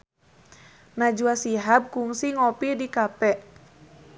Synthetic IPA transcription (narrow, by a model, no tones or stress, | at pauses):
nad͡ʒuasiɦab̚kuŋsiŋɔpidikapɛʔ